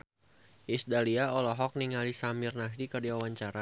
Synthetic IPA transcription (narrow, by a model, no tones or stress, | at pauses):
ʔisdaliaɔlɔɦɔk̚niŋalisamirnas̬dikərdiawaɲt͡ʃaɾa